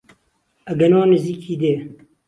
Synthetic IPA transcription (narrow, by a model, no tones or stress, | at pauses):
ɐɡɐnoːnɨziːkʰiːd̪eː